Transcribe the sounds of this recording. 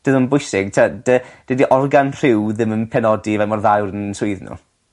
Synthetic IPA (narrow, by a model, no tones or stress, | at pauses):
d̥əðənbʊɨsɪɡ̥tʰad̥əd̥idiʔɔrɡanr̥ɪwðɪmənpʰɛnɔdivamɔrðawɾənsʊɨðnṵ